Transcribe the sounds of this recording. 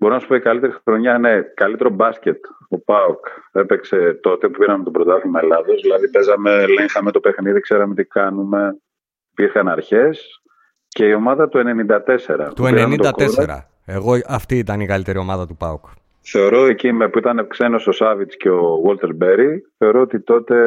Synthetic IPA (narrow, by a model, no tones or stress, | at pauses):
bo̞ɾo̞nɐsu̥poikɐlit̪e̞ɾixɾo̞ɲɐine̞kɐlit̪e̞ɾo̞bɐsce̞t̪o̞pɐoke̞pe̞kse̞t̪o̞t̪e̞pupiɾɐmet̪obɾo̞d̪ɐθimelɐðo̞zðilɐðibe̞zɐmeleŋxɐme̞t̪o̞pe̞xniðikse̞ɾɐme̞t̪ikɐnume̞ | piɾxɐnɐɾçe̞s | ce̞io̞mɐðɐt̪ue̞ne̞nind̪ɐt̪e̞se̞ɾɐ̰pt̪ueineɾɐnit̪od̪ɐk̪ensɾɐ̰ | eɣo̞ɐft̪iːt̪ɐniɣɐlit̪e̞ɾio̞mɐðɐt̪upɐuk | θe̞o̞ɾo̞ecimepuit̪ɐnekse̞no̞so̞sɐvit͡sce̞o̞ɣolt̪e̞ɾbe̞ɾiθe̞o̞ɾo̞ot̪it̪o̞t̪e̞